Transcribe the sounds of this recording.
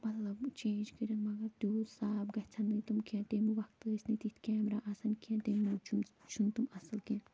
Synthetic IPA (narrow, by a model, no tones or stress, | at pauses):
mɐt̪lɐbt͡ʃʰẽːnd͡ʒkiɾʲɐnmɐɡɐɾt̪usaːbɡɐt͡sʰɐnːɨt̪umkʰẽnt̪eːmuʋɐkt̪ɨːsʲnɨt̪it̪ʰkʲaːmɾaʔɐsɐnkʰiɛ̃nt̪emut͡ʃʰumt͡ʃʰunt̪umɐsɨlkẽn